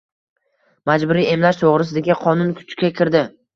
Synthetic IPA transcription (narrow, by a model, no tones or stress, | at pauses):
mad͡ʒbʊɾie̞mlaʃt̪ʰoʁɾɪs̬ɪd̪aɡʲɪqʰɒnʊnkʰʊ̥t͡ʃkʲakʲʰɪɾd̪ɪ